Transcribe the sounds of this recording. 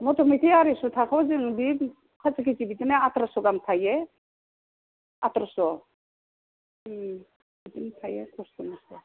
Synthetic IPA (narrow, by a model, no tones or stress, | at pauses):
mɔtʰɔmitʰiaɾisutʰakʰɔwziŋbi | kʰat͡sakʰizibitinaatɾasɔɡamtʰajɛ | a̰tɾasɔ | bitintʰajɛkʰɔsɔnasɔ